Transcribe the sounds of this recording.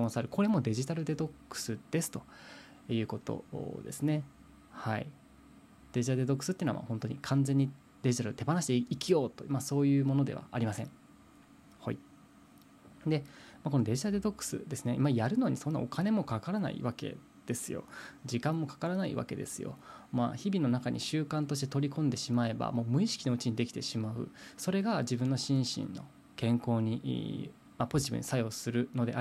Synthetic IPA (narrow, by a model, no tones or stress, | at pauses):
õñsaɾɯ̟ko̞ɾe̞mo̞d̪e̞ʑit̪aɾɯ̟d̪e̞t̪o̞kːɯ̟̥sɨd̪̥e̞sɨ̥t̪o̞ | jɯ̟ːko̞t̪o̞̰d̪e̞̰sɨne̞ | haḭ | d̪̥e̞ʑit̪aɾɯd̪eo̞kːɯ̟̥sɨt̪ːeinoa̰ma̰hõ̞nt̪oɲ̟ikʰãnd͡zẽ̞ɲ̟ːi | d̪̥e̞ʑit̪aɾɯ̟t̪e̞banaɕi̥t̪eikijo̞ːt̪omaso̞ːjɯ̟ːmo̞no̞d̪e̞̰βa̰ːɾʲimasẽ̞ɴ | ho̰ḭ | d̪e̞mak̬o̞noɾe̞ɕad̪ed̪o̞kːɯ̥sɨ̰d̪e̞sɨne̞imajaɾɯ̟no̞ːɲ̟iso̞nːã̰okane̞mo̞kakaɾana̰ḭβake̞̰ | d̪̥e̞sɨjo̞̰d͡ʑikãmːo̞kḁkaɾanaḭβa̰ke̞̰d̪e̞sɨjo̞̰ma̰çibʲino̞nakaɲ̟ʔḭɕɨːkãnt̪o̞ɕ̬i̥t̪e̞t̪o̞ɾʲikõ̞nd̪e̞ɕimae̞ba̰mo̞ːmɯ̟iɕi̥kʲino̞ɯ̟t͡ɕiɲ̟id̪e̞kʲi̥t̪e̞ɕimaɯ̟̰so̞ɾe̞ɡad͡ʑibɯ̟̃nːo̞ɕĩɰ̃ɕḭ̃nːo̞̰ | kẽ̞ŋko̞ːɲ̟iʔ | mapo̞ʑit̪ibɯ̟̰ɲ̟isajo̞sɨɾɯ̟no̞d̪e̞ʔa